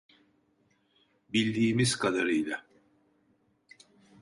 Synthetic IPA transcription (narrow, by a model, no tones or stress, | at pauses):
bilʲd̪iːmiz̥kʰad̪aɾɯjlˠa